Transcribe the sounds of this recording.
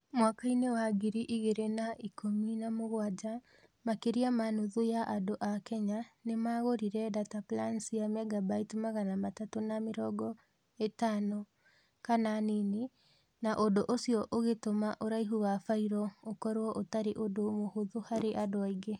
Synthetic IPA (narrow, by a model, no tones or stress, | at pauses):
mwakainewaɡiɾiʔiɣeɾenaikominamoɣwad͡ʑa | makeɾiamanuðojaʔadoʔakɛɲanemaːɣoɾiɾɛdataplansijamɛɡabaitimaɣanamatatonameɾɔɡɔ | etaːnɔ | kananine | naʔodoʔosiɔʔoɣetomaʔoɾaiɦuwafaiɾɔokɔɾwɔʔotaɾeʔodomohoðohaɾeʔadoaiɡe